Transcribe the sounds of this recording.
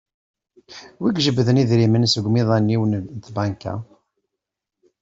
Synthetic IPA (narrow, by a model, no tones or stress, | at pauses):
wiɡʒəbːðəniðɾimənsəɡʷmiðˤænːiwənt̪bæŋkæ̰